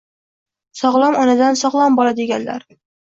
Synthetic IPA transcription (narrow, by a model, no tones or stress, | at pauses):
sɒʁlˠɒmɒnad̪ansɒʁlˠɒmbɒlad̪eɡʲanla̰ɾ